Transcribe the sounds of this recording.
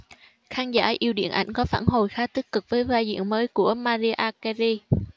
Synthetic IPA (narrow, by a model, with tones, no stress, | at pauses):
xaː˧nzaː˧˩ʔi˧əwɗḭ˧˨ənʔa˧˩jŋ̟kɔ˨˦faː˧˩nɦo˨˩jxaː˨˥t̪i˦˥k̚kːɨ˨˩k̚vəː˨˦jvaː˧jzḭ˧˨ənməː˨˦jku˧˩əmaː˧zi˧ʔaː˧kɛ˧zi˧